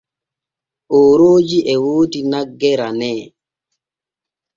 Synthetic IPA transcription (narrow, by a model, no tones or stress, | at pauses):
ʔoːɾoːd͡ʒiɛwoːtinaɡːɛɾanɛː